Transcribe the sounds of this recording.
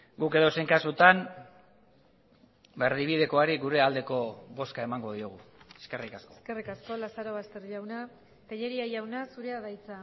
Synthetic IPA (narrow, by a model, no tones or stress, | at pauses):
ɡuke̞ðo̞se̞ŋkasut̪an | beɾðiβið̞e̞ko̞aɾiɡuɾe̞ald̪e̞ko̞βo̞skae̞maŋɡo̞ð̞ioɣ̞ueske̞rikaskoskerikasko̞lasaɾo̞βast̪e̞ɾʎawna | kaʎe̞ɾiaʝawnasuɾeaðajt͡sa